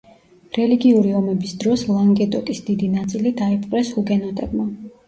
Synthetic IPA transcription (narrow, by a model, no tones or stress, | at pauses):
ɾɛliɡiuɾiɔmɛbisd̪ɾɔslˠaŋɡɛt̪ʼɔkʼisd̪id̪inat̪sʼilid̪aɛpʰʼqʼɾɛshuɡɛnɔt̪ʼɛbma